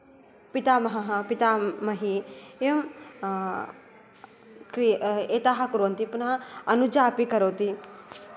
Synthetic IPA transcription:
pit̪amɐɦɐɦɐpit̪amɐɦiem | kɾiet̪aɦakuɾoɐnt̪ipunãɐnud͡ʒaːpikɐɾoːt̪i

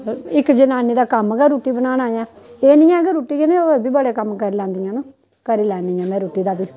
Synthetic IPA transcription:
ɪkd͡ʒənaːniːd̪aːkəmɡaːɾuːʈiːbənaːnaːjãː | eːniːjãːəɡəɾːuːʈiːkenẽːɡəɾbiːbəɽekəmkəɾiːlɛ̃ːnd̪ijãːnũː | kəɾiːlɛːniːãːmɛ̃ːɾuːʈiːd̪aːbiː

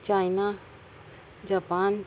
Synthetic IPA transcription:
t͡ʃajna | d͡ʒapaːn

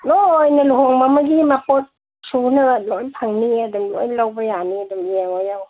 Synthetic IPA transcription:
nojnaluhɔŋmamaɡimapɔt̚ | sunɯlojpʰaŋniadumlɔ̰jlawbajaniadumjeŋɔjaw

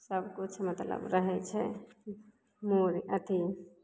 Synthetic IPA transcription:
səbkut͡ʃʰmət̪lə̰bɾəɦɛt͡ʃʰɛ | muɾʔət̪ʰi

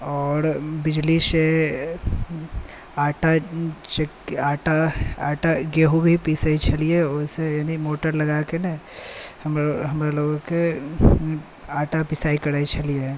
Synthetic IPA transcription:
ɔːɾbɪd͡ʒlise | aːʈat͡ʃekaːʈaaːʈaɡeːɦubʱipisait͡ʃʰɐlieʊsejaːnimoːʈəɾlɐɡakenehəmɾoɦəmɾeloːɡõke | aːʈapɪsaːikɐɾait͡ʃʰɐlie

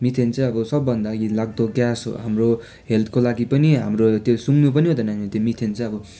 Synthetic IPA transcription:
mit̪ʰent͡sãʌbʌsʌbːʌnd̪aɡilaɡ̚d̪oɡjasɦo̰ɦamro | ɦelt̪ʰkolaɡipʌniɦamrot̪josuŋnup̬ʌniɦod̪ʌnait̪jomit̪ʰent͡sãʌbʌ

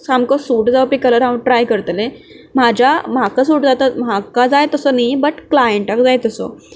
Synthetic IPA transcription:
samkɔsuːʈd͡zaʋpiːkələɾãʋəʈɾajkəɾt̪lẽ | m̤ad͡ʑam̤akasuːʈd͡zat̪əmakad͡zajt̪əsənajbəʈklajəɳʈakd͡zajt̪əsɔ̰

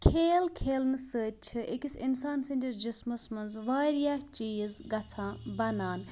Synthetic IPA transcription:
kʰeːlkʰeːlnɨsəːt̚t͡ʃʰɨʔḛkisḭnsaːnsenʲdʲiɾd͡ʒismɐsmɐnzʋaːɾjaht͡ʃiːzɡɐt̪ʰãːbɐnaːn

